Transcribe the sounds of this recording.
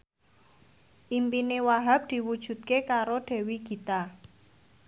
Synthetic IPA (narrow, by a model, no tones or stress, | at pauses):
ʔimpinewaɦap̚d̪̥i̤wud̥ʒ̥ṳt̪̚kekaɾodɖ̥ɛ̤wiɡ̥i̤t̪a